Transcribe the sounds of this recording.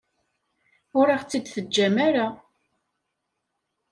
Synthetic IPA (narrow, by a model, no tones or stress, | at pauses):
ʊɾɑʁt͡sːid̪θəd͡ʒːæmaɾa